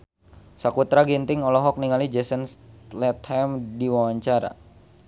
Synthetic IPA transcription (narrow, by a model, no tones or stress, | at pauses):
sakut̪ɾaɡint̪ɪŋɔlɔɦɔk̚niŋalid͡ʒɛsənslɛt̪hɛmdiwawaɲt͡ʃaɾa̰